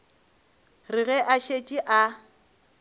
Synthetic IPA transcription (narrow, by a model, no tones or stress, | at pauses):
rɪɣɛʔaʃet͡ʃʼɪʔa